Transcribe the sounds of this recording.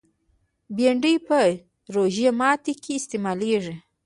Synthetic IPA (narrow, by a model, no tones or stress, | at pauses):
beɳɖəjpə | ɾoʒijamɑt̪ikʰeːst̪emɑleʐi